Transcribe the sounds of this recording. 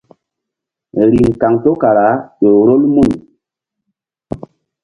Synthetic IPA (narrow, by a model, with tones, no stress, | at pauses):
ɾi˨ŋka˨ŋto˦ka˨ɾa˨˦ɗo˨ɾo˦lmu˦˨n